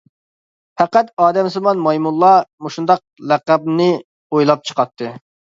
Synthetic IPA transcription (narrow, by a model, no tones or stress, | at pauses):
hæqæt̪ɑːd̪ɛmsɨmɑnmɑjmulˠːɑmoʃund̪ɑq̚læqæb̚nɨ | ojlˠɑp̚t͡ʃʰə̥qʰɑt̪ʰːɨ